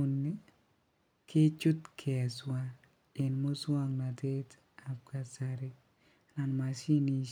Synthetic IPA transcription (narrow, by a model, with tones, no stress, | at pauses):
nːe˦ | kʰɪ˦t͡ʃʊ˦tkʰe˨a˨swa˦ | ɪ˨nmo˦swa˦ŋna˨te˦t | a˨p̚ka˨sa˨ɾɪ˦ | na˨nma˨si˦ni˨